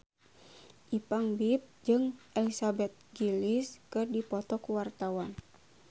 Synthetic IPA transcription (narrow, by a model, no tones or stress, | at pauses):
ʔipaŋbip̚d͡ʒɨŋʔɛlisabɛt̪̚ɡiliskɨrdipɔt̪ɔkuwart̪awan